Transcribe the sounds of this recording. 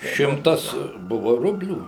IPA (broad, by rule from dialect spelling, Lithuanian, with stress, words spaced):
ˈʃʲɪmtɐs ˈbʊʋoː ˈrʊbʲlʲuː